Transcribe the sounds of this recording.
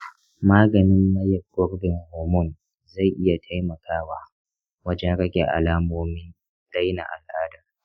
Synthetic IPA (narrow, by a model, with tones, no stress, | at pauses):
maː˦ɡɐ˨nɪ˦mːɐ˦jɐ˨b̚ɡɔ˦rbɪ˨ŋhoː˨mʊ˦˨n | za˦˨jʔɪ˦ja˨tʰa˦jmɐ˨kʰaː˦waː˦ | wɐ˦d͡ʒɛ˦ŋkɐ˦kʲe˨ʔa̰˨laː˦moː˦mɪ˦n | d̥a˦jna̰˨ʔa̰˨lʔaː˦dɐ˨r